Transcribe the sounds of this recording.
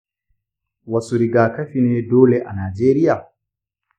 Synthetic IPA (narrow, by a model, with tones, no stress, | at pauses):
wɐ˨su˨ɾi˨ɡaː˨kɐ˦ɸiː˨neː˦doː˦le˨ʔa˨naː˨d͡ʒeː˦ɾɪ˦jaː˨